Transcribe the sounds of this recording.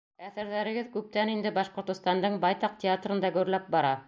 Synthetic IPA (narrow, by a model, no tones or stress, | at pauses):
æθɘ̆ɾðæɾɘ̆ɡɘðkʉp̚t̪ænind̪ɘbɑʃqŏɾt̪ŏst̪ɑnd̪ɤɴbɑjt̪ɑq̚tʲɪat̪rɤ̆nd̪ɑɡɵɾlæp̚bɑɾɑ